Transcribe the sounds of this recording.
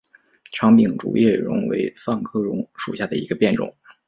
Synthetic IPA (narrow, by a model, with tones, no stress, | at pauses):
ʈ͡ʂʰɑ˧˥ŋpi˨˩ŋʈ͡ʂṵ˨˩jʔɛ˥˩ɻʊ̰˧˥ŋwḛ˧˥ɪfa˥˧nkʰɤ˥ɻʊ˧˥ŋʂṵ˨˩ɕja˥˩d̪ə˩i˧˥ɡə˧pjɛ˥˩nʈ͡ʂʊ̰˨˩˦ŋ